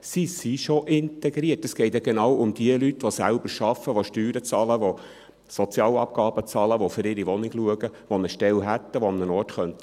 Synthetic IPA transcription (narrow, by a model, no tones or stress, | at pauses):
sisiʃoʔɪnt̪ɛɡɾiətəsɡ̥ɛɪtjɑɡ̥enɑːwʊmd̥iəlytʋosælb̥əɾʃɑfːəʋoʃtyːɾət͡sɑːləʋo | sɔt͡sjɑːlɑ̰p̚ɡ̥ɑːb̥ət͡sɑːləʋofʏɾɪɾiʋɔnɪɡluəɡəʋonəʃtɛlɦæt̪ːəʋoɑmnənɔːrtχœnt̪